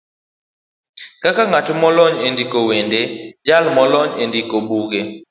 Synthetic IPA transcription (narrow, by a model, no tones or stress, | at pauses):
kakaŋatmɔlɔɲendikowended͡ʒalmɔlɔɲendikobuɡe